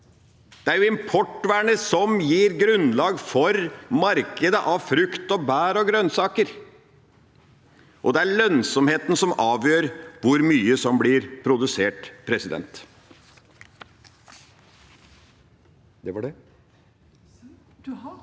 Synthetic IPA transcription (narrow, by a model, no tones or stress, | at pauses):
d̪̥ɛæɾjʊɪmpʰɔʈːʋæɳəsɔmjiːɾɡɾʉnlɑːɡfɔɾmɑɾkəd̪əʔɑʋfɾʏkt̪ɔbæːɾɔɡɾœnsɑːkəɾ | ʔɔd̪ɛæɭœnsɔmheːt̪n̩sɔmɑːʋjøːɾʋʊɾmyːəsɔmblɪɾpʰɾʊd̪ʉseːʈpʰɾɛsɪd̪ɛ̰nt̪ | d̪ɛʋɑɖɛ